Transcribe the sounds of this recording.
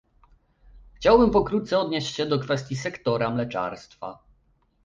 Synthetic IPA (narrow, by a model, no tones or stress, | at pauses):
xt͡ɕawbɘmpɔkɾut̪t̪sɛɔd̪ɲeɕt͡ɕɕɛd̪ɔkfɛst̪ʲjisɛkt̪ɔɾamlɛt͡ʂa̰ɾst̪fa̰